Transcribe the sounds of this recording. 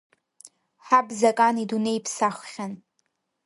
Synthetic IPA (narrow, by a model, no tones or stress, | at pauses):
ħabzakʼanidunejpʰsaχʷχʲan